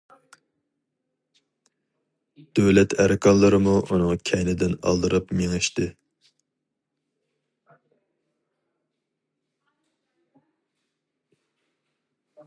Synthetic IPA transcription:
d̪̥øwlɛt̪ʰæɾɪkʰɑnlˠːəɾɨmuʔunɨŋkʲʰɛjnɪd̪ɪnɑ̰lˠd̪ɨɾɨpmeŋɪʃt̪ɨ

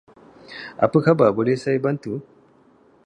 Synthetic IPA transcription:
ʔa̰pɨkabaːbolesajbɐntu

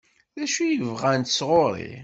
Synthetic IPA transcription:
ðæʃujəvʁænt̪ə̥sʁoɾˤḭ

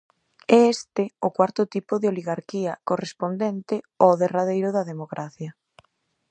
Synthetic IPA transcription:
ɛest̪ɪʊkwaɾt̪ʊt̪ipʊðɪoliɣaɾkiɐkorespond̪ɛnt̪ɪ | oðeraðejɾʊðɐðemokɾʔaθjɐ

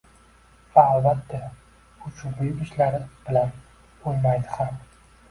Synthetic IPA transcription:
vaːlbat̪ʰːa | ʊt͡ʃʰʊvɪjɪʃlaɾɪb̥ɪlan | ojmajd̪ɪham

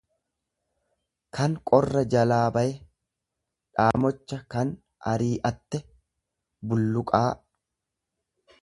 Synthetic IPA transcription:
kʰɐŋkʼɔrːɐd͡ʒɐlaːbɐjɛ | ᶑaːmɔt͡ʃːɐkɐn | ɐɾiːʔɐt̪ːɛ | bʊlːʊkʼaː

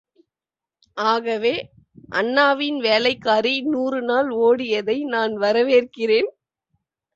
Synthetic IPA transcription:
ʔaːɣɐʋeː | ʔɐ̰nːaːʋɪnʋeːlɐɪkːaːɾinuːrɯnaːloːɽɪjɐðɐɪnaːnʋɐɾɐʋeːrkɪreːn

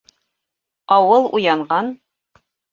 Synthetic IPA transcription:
ɒwɤlˠṵjɑɴɢɑn

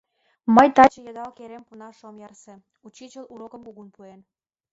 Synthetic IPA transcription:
məjt̪ɑt͡ɕə̆jɑd̪ɑlkeɾempunɑʃomjɑrsĕ | ut͡ɕit͡ɕəluɾokəmkuɣunpuen

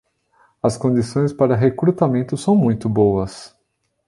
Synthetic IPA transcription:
ɐskõd͡ʒisõj̃spaɾɐɦekɾut̪amẽnt̪ʊsɐ̃w̃mũj̃t̪ʊbowɐs

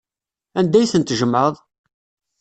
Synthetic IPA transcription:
ænd̪æjθənt̪ʒəmʕəðˤ

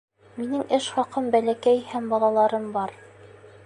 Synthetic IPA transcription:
minɘŋɘʃχɑqɤmbælækæjhæmbɑlˠɑlˠɑɾɤmbɑɾ

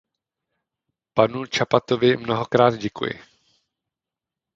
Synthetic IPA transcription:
panut͡ʃapat̪ovɪmnoɦo̞kɾaːd̪ɟɛkṵjɪ̰

